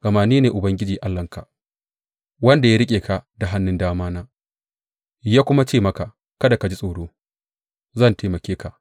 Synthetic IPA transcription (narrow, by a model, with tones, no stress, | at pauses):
kʼɐ˨maː˨niː˦neː˨ʔʊ˨bɐ˦ŋɡʲɪ˦d͡ʒiː˨ʔa˦lːɐ˨ŋka˨ | wɐ˦nda˨ja˦ɾɪ˦kʲʼeː˨ka˨da˨ɦa˦nːɪ˦ndaː˦maː˦naː˦ | jaː˦kʷʊ˦ma˦t͡ʃeː˦˨mɐ˦ka˨ | kɐ˦da˨ka˨d͡ʒi˦sʼoː˨ɽoː˦ | zɐ˦˨nteː˨mɐ˨kʲeː˦ka˨ʔ